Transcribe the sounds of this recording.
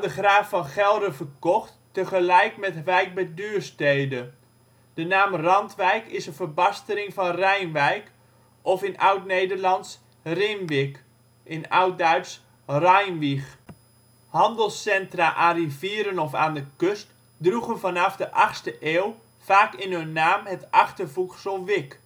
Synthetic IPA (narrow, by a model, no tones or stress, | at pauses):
dəχraːfːɑnχɛlˠdəvərkɔχtː | əχəlɛjkmɛtʋɛjk̚bɛdyːrsteːdə | d̥ənaːmrɑntʋɛjkɪsənvərbɑstəɾɪŋfɑnrɛjnʋɛjk | ʔɔfɪnawtnejdərlɑnts | rɪmʋɪk | ʔɪnawt̚dœɥts | rajnʋix | hɑndəlˠsɛntraʔarivɪəɾənɔfaːndəkøst | druɣənfɑnɑfdəʔɑxstəʔeːlˠ | faːkɪnɦɵnːaːmɦətʔɑχtərvuksəlˠʋɪk